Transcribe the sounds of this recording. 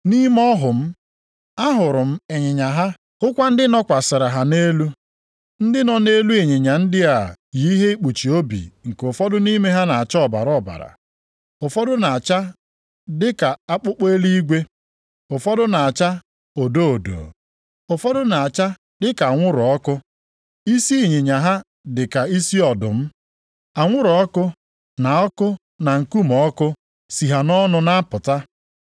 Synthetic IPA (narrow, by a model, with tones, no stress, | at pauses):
ni˦m˦ɔ˦ɦʊ˨m̩˦ | a˦ɦʊ˨ɾʊ˨m̩˦e˨ɲɪ˨ɲa˨ɦa˦ | ʊ˦kʷa˦n̩˦dɪ˦nɔ˦kʷa˨sɪ˨ɾa˨ɦa˨ne˦lu˦ | n̩˦dɪ˦nɔ˨ne˦lu˦e˨ɲe˨ɲa˨n̩˦dɪ˦a˨ji˨˦ɦe˦i˦k͡pu˨t͡ʃi˨o˦bḭ˨ŋ̩˨ko˨fɔ˦dʊ˦ni˦me˦ɦa˦na˨a˨t͡ʃa˦ɔ˦˨ba˨ɾɔ˦˨ba̰˨ɾa̰˨ | ʊ˨fɔ˦dʊ˦na˨a˨t͡ʃa˦ | dɪ˦ka˨a˦k͡pʊ˦k͡pe˦li˦i˦ɡʷe˦ | ʊ˨fɔ˦dʊ˦na˨a˨t͡ʃa˦ | o˨do˦o˨do̰˨ | ʊ˨fɔ˦dʊ˦na˨a˨t͡ʃa˦ | dɪ˦ka˨a˨ŋʷʊ˦ɾʊ˨ɔ˦kʊ˦ | i˦si˦˨ɲɪ˨ɲa˨ɦa˦ | dɪ˨ka˨i˦si˦ɔ˨dʊ̰˨m̩˦ | a˨ŋʷʊ˦ɾʊ˨ɔ˦kʊ˦ | na˨ɔ˦kʊ˦ | na˨ŋ̩˨ku˦mɔ˨ɔ˦kʊ˦ | si˨ɦa˨nɔ˦nʊ˦na˦pʊ˨ta˦